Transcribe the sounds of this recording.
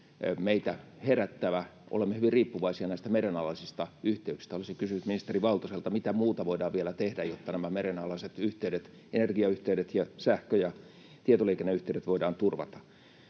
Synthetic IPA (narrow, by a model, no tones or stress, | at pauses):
meit̪æheræt̪ːæʋæʔo̰lemːehyʋiriːpːuʋɑisiɑnæˑist̪æmerenɑlɑlisist̪ɑyht̪eyksi̥st̪æolisikysynyt̪minist̪eriʋɑlt̪oselt̪ɑmit̪æmuːt̪ɑʋoidɑːʋʋielæt̪ehdæjot̪ːɑnæmæmerenɑlɑiset̪yht̪eyɾet̪ | enerɡiɑyht̪eyɾet̪jɑsæhkøjɑ | t̪iet̪olikenːeyht̪eydet̪ʋoidɑːnt̪urʋɑ̰t̪ɑ̥